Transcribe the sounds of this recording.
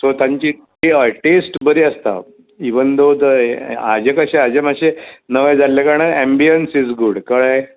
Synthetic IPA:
sot̪ãɲt͡ɕiʈiəjʈesʈbəɾiəst̪a̰ | iʋənd̪od̪ad͡ʑekəɕead͡ʑemaɕenəʋəjd͡zʱalːekaɾɽ̃aembijənsid͡zɡuɽkəɭa

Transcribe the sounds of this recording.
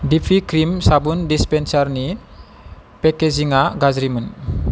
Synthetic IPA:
difikɾimsabundispɛnsarni | pekeziŋaɡazɾimən

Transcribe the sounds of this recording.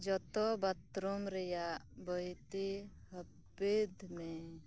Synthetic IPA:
d͡ʒɔt̪ɔbat̪ɾɔmɾɛjabəjt̪i | həb | ed̪mɛ

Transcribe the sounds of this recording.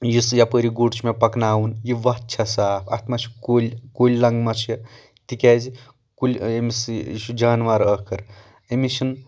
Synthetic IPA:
jisjapəɾiɡuɖt͡ʃʰmepɐknaːwunjiʋɐɦt͡ʃʰɐsaːpʰɐ̰t̪ʰmɐt͡ʃʰi̥koːlʲkolʲlɐŋɡmɐt͡ʃʰjɐ | t̪ikʲɛːzi | kulʲemisjiʃud͡ʒaːnʋɐɾɐkʰɐɾ | emiʃin

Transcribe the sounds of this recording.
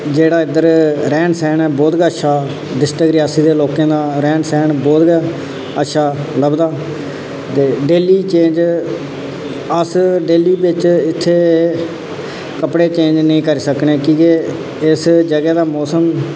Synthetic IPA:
d͡ʒeːɽaːɪd̪əɾɾɛ̃ːɳsɛːnɛbɔːt̪ɡaəʃʰaː | ɖɪsʈəkɾɪjaːsiːd̪eːloːkãːd̪aːɾɛ̃ːɳsɛːnbɔːt̪ɡaː | ətːʃʰaːləbd̪aː | t̪eːɖeːliːt͡ʃẽːnd͡ʒ | əsɖeːliːbɪt͡ʃɪt̪ʰːeː | kəpɽeːt͡ʃẽːɲd͡ʒnĩːkəɾisəkneːkĩːke | ɪsd͡ʒəɡɛːd̪aːmɔːsəm

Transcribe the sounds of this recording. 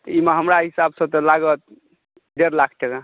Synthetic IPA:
t̪əimeɦəmɾaɦisabsə̃t̪ɔlaɡət̪̚ | ɖeɾlakʰʈeka

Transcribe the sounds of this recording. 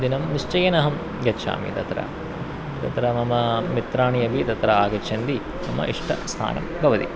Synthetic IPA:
d̪inɐmniʂt͡ʃɐjɐnɐɦɐm | jɐʃa̰ːmḭt̪ɐt̪ɾɐ̰ | t̪ɐ̰t̪ɾɐmɐmɐmit̪ɾaːɳijɐbit̪ɐt̪ɾɐaːɡɐt͡ʃʰɐnd̪i | nɐmɐ̰ʔiʂʈʰɐ̰st̪ʰa̰ːnɐ̰mɡɐʋɐd̪ḭ

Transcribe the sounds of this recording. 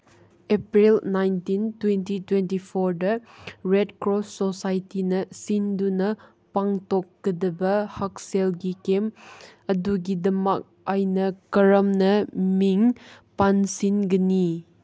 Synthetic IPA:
epɾilnajntintwentitwentipʰoɾdɐɾedkɾoosajtinɐsindunɐ | paŋtokːɐdɐbɐhak̚selɡikemɐduɡidɐmɐk̚ajnɐkɐɾɐmnɐmiŋ | pansinɡɐni

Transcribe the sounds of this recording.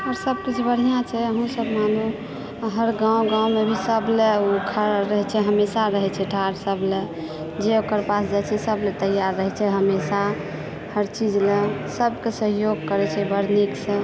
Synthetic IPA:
ɔːɾsəb̚kit͡ʃʰbəɽ̤ijãt͡ʃʰɛəɦũsəbmanu | ɦəɾɡãw̃ɡãumebʱisəbleukʰəɾɾəɦɛt͡ʃʰɛɦəmesaɾəɦɛt͡ʃʰɛʈʰaɾsəble | d͡ʒeokəɾpasd͡ʒajt͡ʃʰɛsəblet̪əjaɾːəɦɛt͡ʃʰɛɦəmesa | həɾt͡ʃid͡ʒlesəbkesəɦjoɡ̚kəɾɛt͡ʃʰɛbəɽ̤niksẽ

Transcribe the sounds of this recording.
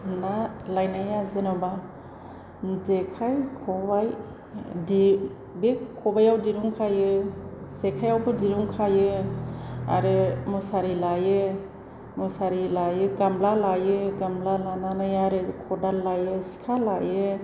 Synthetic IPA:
nalajnajazɯnɔba | zekʰajkʰɔbaj | di | bekʰɔbajawdiɾuŋkʰajɯzekʰajawpʰɯdiɾuŋkʰajɯ | a̰ɾɯmɔsaɾilajɯ | mɔsaɾilajɯɡamlalajɯɡamlalananajaɾɯkʰɔdalːajɯsi̥kʰalajɯ

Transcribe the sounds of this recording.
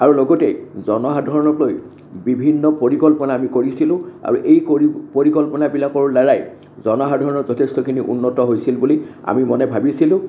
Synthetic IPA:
aɹulɔɡɔtɛ̰zɔnɔɦadʱɔɹɔnɔloj | bibʱinːɔpoɹikɔlpɔnaːmikoɹisilʊ̃a̰ɹuʔejkipoɹikɔlpɔnabilakɔɹlaɹaj | zɔnɔɦadʱɔɹɔnɔɹzɔtʰestɔkʰiniʔṵnːɔtɔɦojsilbulia̰mimɔnɛbʱabisilʊ̃

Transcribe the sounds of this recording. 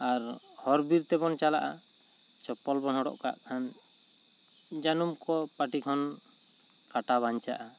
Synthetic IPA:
aɾhɔɾbiɾt̪ɛbɔnt͡ʃala̰ʔa | t͡ʃɔpɔlbɔnɦɔɽɔ̰ʔka̰ʔkʰan | d͡ʒanumkɔpaʈikʰɔn | kaʈaβaɲt͡ʃa̰ʔa

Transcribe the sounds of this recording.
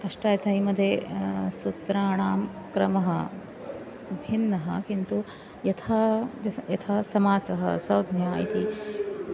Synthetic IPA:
ɐʂʈaːjɐt̪ʰɐimɐd̪ʱjesut̪ɾaːɳaːmkɾɐmɐɦɐ | bʱinːɐɦɐ̰kint̪u | jɐt̪ʰaːjɐt̪ʰaːsɐmaːsɐɦɐ̰sɐwd̪ʱnjaːḭt̪i

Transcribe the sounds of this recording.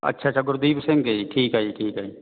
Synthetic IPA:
ɐ̰tːʃʰaːt͡ʃʰaɡʊɾd̪iːbsɪ̃ŋɡɡɐiʈʰiːkɦaːiʈʰiːkɦaːiː

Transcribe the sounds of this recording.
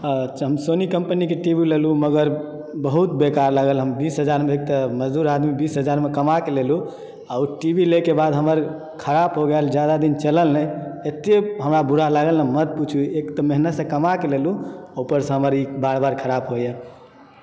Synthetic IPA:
ɦəmsonikəmpənikeʈibileluməɡəɾ | bəɦut̪bekaɾlaɡəlɦəmbisɦəd͡ʒaɾmeek̚t̪əməd͡ʒd̪uɾad̪mibisɦəd͡ʒaɾmekəmakelelu | auʈibilekebad̪ɦəməɾ | kʰəɾabɦoɡeld͡ʒjad̪ad̪int͡ʃələlnəet̪eɦəmɾabuɾalaɡəlnəmət̪̚put͡ʃʰuekt̪əmeɦnət̪sə̃kəmakeleluopəɾsə̃ɦəməɾibaɾbaɾkʰəɾabɦoje

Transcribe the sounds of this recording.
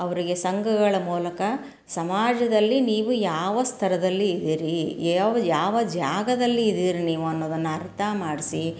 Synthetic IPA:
ɐʋɐɾiɡe̞sɐŋɡɐɡɐɭɐmuːlɐkɐ | sɐmaːd͡ʒɐd̪ɐlːiniːʋujaːʋɐst̪ʰɐɾɐd̪ɐlːiːd̪iːɾijʋɐjaːʋɐd͡ʒaːɡɐd̪ɐlːiːd̪iːɾiniːʋuɐnːoːd̪ɐnːɐɐɾt̪ʰɐmaːɽisi

